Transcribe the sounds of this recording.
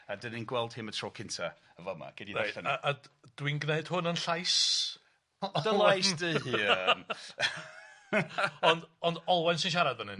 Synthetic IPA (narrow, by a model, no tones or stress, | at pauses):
adəninɡwɛlˠd̥hɪmətʰrɔːkʰɪntʰa | əvəma̰ɡ̥ɪdiaɬənaʔad̥winɡneɨd̥hʊnənɬajs | d̥əlˠajsdəhin | ɔndɔndɔlˠwɛnsɪnʃ̬aɾadvənɨn